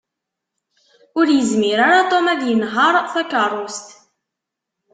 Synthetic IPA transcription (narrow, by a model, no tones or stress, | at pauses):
ʊɾjəzmiɾaɾat̪ˤomæðjənɦəɾˤθækɑɾˤust̪